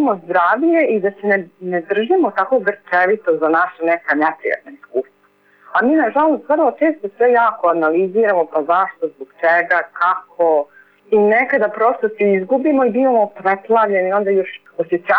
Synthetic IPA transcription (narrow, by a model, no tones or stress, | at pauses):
mozd̪ɾaːʋʎe̞id̪asenened̪r̩ʒimo̞t̪ako̞ɡr̩t͡ʃeʋit̪ozanaʃanekanepɾḭja̰t̪naiskuːst̪ʋa | amiːnaʒalˠo̞st̪ʋər̩lˠot͡ʃeːst̪osʋejaːko̞analiziːɾamo̞pazaʃt̪o̞zboɡt͡ʃeɡakakʰo | inekad̪apɾo̞st̪osiizɡubimoibiʋamopɾet̪lˠaʋʎe̞nio̞nd̪ajoʃ | osjet͡ʃ̪a